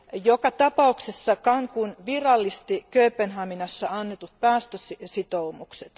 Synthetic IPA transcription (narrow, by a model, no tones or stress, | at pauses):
jokɑt̪ɑpɑuksesːɑkɑŋkunʋirɑlːist̪ikøypenɦɑminɑsːɑɑnːet̪ut̪̚pæːst̪øsisit̪oumukset̪